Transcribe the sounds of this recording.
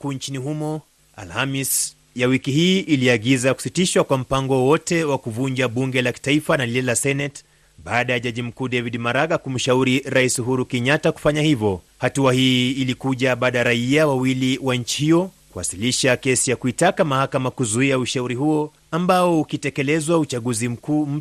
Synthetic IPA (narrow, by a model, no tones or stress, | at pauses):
kuːnt͡ʃinihumɔ | a̰lhamis | jawikiɦiːʔiliaɠizaku̥sitiʃwakwam̩paŋɡɔwɔtɛwakuvuɲd͡ʒaɓuŋɡɛlaki̥taifanaliɛlasɛnɛt | ɓaːɗajaʄaʄim̩kuːɗɛviɗimaɾaɡakum̩ʃauɾiɾaisuɦuɾukɛɲataku̥faɲahivjɔhatuahiːlikuʄaɓaːɗajaɾaiawawiliwaɲt͡ʃi̥hijɔ | kuwa̰siliʃakɛsijakuitakamahakamakuzuiauʃauɾiɦuɔ | ambaɔukitɛkɛlɛzwaut͡ʃaɠuzim̩kuːm̩